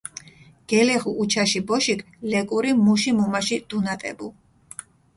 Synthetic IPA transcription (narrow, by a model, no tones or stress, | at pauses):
ɡ̥ɛlɛχuʔːt͡ʃʰaʃibɔʃikʰ | lɛkʼuɾimuʃimumaʃid̪̥unat̪ʼɛ̰bu